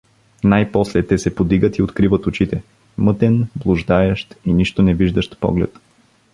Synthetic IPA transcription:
najpɔslɛt̪ɛsɛpod̪iɡət̪iot̪kɾivət̪ʊt͡ʃit̪ɛ | mɤt̪ɛnblˠʊʒd̪aɛʃt̪iniʃt̪ʊnɛviʒd̪əʃt̪pɔ̰ɡlɛ̰t̪

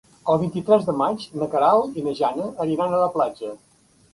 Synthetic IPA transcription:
əlˠβ̞int̪it̪ɾɛzðəmad͡ʒnəkəɾalˠinəʒanəʔːɾiɾanələplad͡ʒə

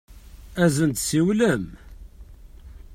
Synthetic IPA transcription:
æzənt̪siwləm

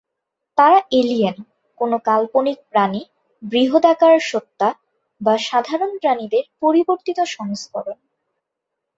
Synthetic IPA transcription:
t̪aɾaelijen | konokalponik̚pɾani | bɾiɦod̪akaɾʃot̪ːa | baʃad̪ʱaɾonpɾanid̪eɾpoɾiboɾt̪it̪oʃɔŋskɔɾon

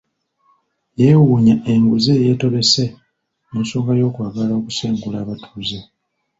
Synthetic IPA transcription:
je̞ːwuːɲaʔe̞ŋɡuze̞je̞ːto̞βe̞se | eːnso̞ːŋɡajo̞ːkwaːɡalao̞ku̥seːŋɡulaːβatʰuːze

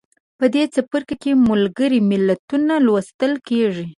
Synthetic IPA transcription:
pəd̪et͡sapəɾkakemʊlɡəɾimɪlat̪unalwast̪əlkeʐi

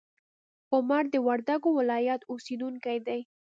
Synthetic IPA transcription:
ʊmaɾd̪əwaɾd̪aɡowɪlɑjat̪osid̪uŋkajd̪aj

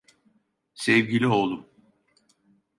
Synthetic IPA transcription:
sɛvɟilʲiolˠum

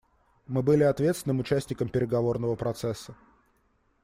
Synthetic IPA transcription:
mɨbɨlʲɪɐt̪vʲet̪svɪnɨmʊt͡ɕæsʲnʲɪkəmpʲɪɾʲɪɡɐvo̞rnəvəpɾɐt̪sɛsːə

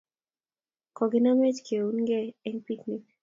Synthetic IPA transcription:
kɔɡenamed͡ʒkʰeunɡɛɛŋpiknik̚

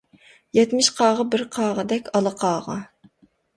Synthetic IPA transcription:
jɛt̪mɪʃqʰɑːʁɑbɪɾqʰɑːʁəd̪ɛkʲʰɑlˠəqʰɑːʁɑ̰

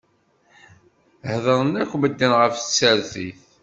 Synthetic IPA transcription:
hðəɾˤnækʷːməd̪ːənʁəfθsəɾθiθ

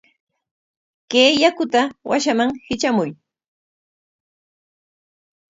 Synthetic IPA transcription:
keːjakʊt̪awaʃamaŋhɪt͡ʃamʊj

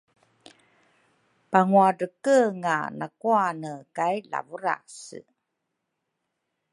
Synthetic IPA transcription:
paŋuadəkəŋa̰nakuanəkajla̰vuɾa̰sə̰

